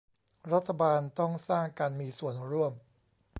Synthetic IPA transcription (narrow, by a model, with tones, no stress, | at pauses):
ɾa˦˥t̪ʰːa˧baː˧nt̪ɔ˥˩ŋsaː˥˩ŋkaː˧nmiː˧su˨˩ənɾu˥˩əm